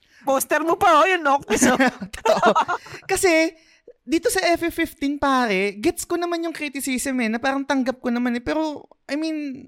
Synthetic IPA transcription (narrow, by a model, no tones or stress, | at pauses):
poːst̪ɛɾmopɐojɐnːok̚t̪ɪsot̪ot̪oʔokɐsɛ | d̪iːt̪o̞sɐʔɛfɛfɪft̪inpaːɾɛɡɛt̪skonɐmanjʊŋkɾit̪ɪsiːsɛmɛnɐpaːɾɐŋt̪ɐŋɡɐp̚konɐmanɛpɛːɾo̞ʔɐjmin